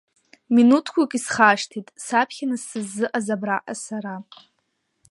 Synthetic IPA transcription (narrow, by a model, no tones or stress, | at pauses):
minutʰkʷʰakʼisχaʂtʰitʼsapʰχʲanɨsɨzːɨʔazabraʔa̰saɾa